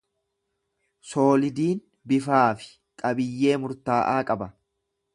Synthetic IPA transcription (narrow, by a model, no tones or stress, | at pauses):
so̞ːlɪd̪iːn | bɪfaːfɪ̥ | kʼɐbɪjːe̞ːmʊɾt̪aːʔaːkʼɐbɐ